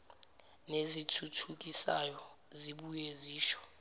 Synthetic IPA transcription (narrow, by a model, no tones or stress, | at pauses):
nezitʰutʰuk̬ʼisa̰jɔ | ziɓujeziːʃɔ̥